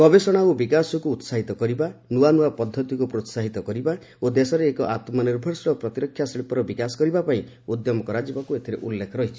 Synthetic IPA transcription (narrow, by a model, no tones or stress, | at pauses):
kɔbesɔɽ̃aubikasɔkuːt̪saɦit̪ɔkɔɾibanuwanuwapɔd̪ʱːɔt̪ikupɾot̪saɦit̪ɔkɔɾiba | od̪esɔɾeːkɔʔat̪mɔniɾbʱɔɾsɾɔpɾɔt̪iɾɔkʰjasiɽipɔɾɔbikasɔ̥kɔɾibapaĩ | ud̪jɔmɔkɔɾad͡ʒibakuet̪ʰiɾeʔulːekʰɔɾɔɦit͡ʃʰi̥